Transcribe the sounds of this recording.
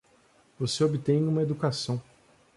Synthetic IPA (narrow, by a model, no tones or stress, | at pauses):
voseobit̪ẽj̃ũmɐed̪ukasɐ̃w̃